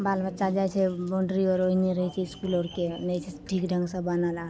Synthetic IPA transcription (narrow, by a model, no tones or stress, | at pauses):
balbətːʃad͡ʒajt͡ʃʰɛbɔɳɖɾiɔɾoɦineɾəɦɛt͡ʃʰɛiskuloɾkenəjt͡ʃʰɛʈʰikɖʱə̃ŋɡsə̃bənəla